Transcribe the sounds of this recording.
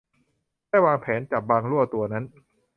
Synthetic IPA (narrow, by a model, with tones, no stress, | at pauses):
daː˥˩jwaː˧ŋpʰɛː˩˦nt͡ɕaː˨˩k̚baː˧ŋɾu˥˩ɐt̪u˧ɐna˦˥n